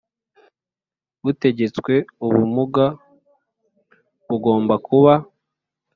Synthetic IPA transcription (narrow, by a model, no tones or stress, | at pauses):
βute̞ɟe̞t͡swe̞uβumuɡa | βuɡo̞ːmbakuβa